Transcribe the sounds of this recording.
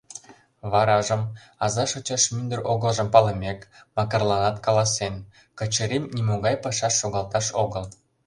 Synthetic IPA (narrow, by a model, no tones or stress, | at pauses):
βɑɾɑʒə̆m | ɑzɑʃot͡ɕɑʃmynd̪ərʔoɣəlʒə̆mpɑlɤ̆mʲekmɑkɑrlɑnɑt̪kɑlɑsen | kɤ̆t͡ɕə̆ɾemnʲimoɣɑjpɑʃɑʃːoɣɑlt̪ɑʃoɣəl